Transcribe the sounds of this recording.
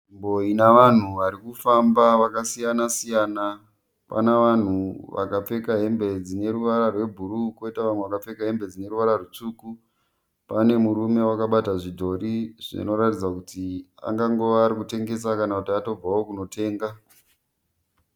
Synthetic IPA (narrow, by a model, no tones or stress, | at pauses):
imbo̞inaʋan̤uʋaɾikufambaʋakasijanasijaːna | pa̰naʋan̤uʋa̰kap͡fe̞kaɦe̞mbe̞d͡zine̞ɾuʋaɾarwe̞bʱuɾukoitaʋan̤weʋakap͡fe̞kaɦe̞mbe̞d͡zine̞ɾuʋaɾarut͡ʂuku | pane̞muɾume̞wakaɓataʐidʱo̞ɾiʐḭno̞ɾatid͡zakutia̰ŋɡaŋɡoːɾikute̞ŋɡe̞sakanakutiato̞b͡vawokuno̞tʰe̞ːŋɡa